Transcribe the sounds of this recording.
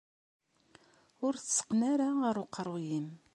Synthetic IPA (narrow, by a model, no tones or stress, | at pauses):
ʊɾθə̥sə̥qːnaɾaʁəɾuqːəɾˤwjim